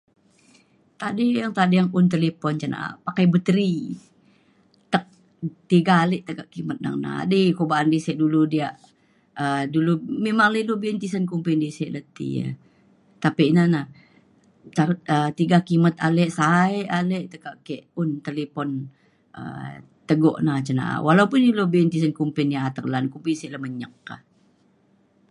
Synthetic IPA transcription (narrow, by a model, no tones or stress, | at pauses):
t̪adijaŋt̪adijaŋʊnt̪elepɔnt͡ʃana̰pakajbət̪əɾi | t̪ək̚ | t̪iɡaːlɛʔt̪əkaʔkimət̪̚na̰ŋna̰dikobaʔːndisɛʔduludiaʔ | ədulumemaŋləlubint̪isənkumpindisɛʔlət̪ḭə̰ | t̪apinana | t̪aət̪iɡakimət̪alɛʔsaeʔaleʔt̪əɡaʔkɛʔʊnt̪elepɔn | ə̰ | t̪əɡɔ̰ʔnat͡ʃəna̰ʔa̰walaupʊnilobnt̪is̬ənkumpɪnjaat̪ərlankumpisɛʔləhməɲəkːa̰h